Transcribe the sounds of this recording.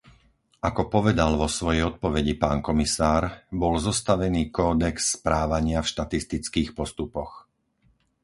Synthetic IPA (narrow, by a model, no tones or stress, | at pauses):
ʔakɔpɔʋɛd̪alʋɔsʋɔjɛjɔt̪̚pɔʋɛɟipaːnkɔmisaːɾbɔlzɔst̪aʋɛniːkɔːd̪ɛksːpɾaːʋaɲɪafʃt̪at̪ist̪it͡skiːxpɔst̪upɔx